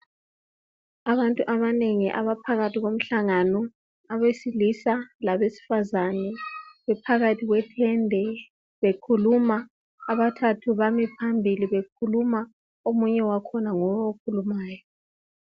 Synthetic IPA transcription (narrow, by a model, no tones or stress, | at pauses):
aβantʼuʔaβaneŋiʔa̰βapʰaɣatʰiɣom̩ɬaŋanɔ | aβesilisalaβesi̥fazanɛβɛpʰaɣatʰiɣwɛtʰɛndʱɛ | βekʰulumaː | βatʰatʰuβamɛpʰambʱiliβekʰuluma | omuɲɛwakʰɔnaŋɔβawokʰulumaːjɔ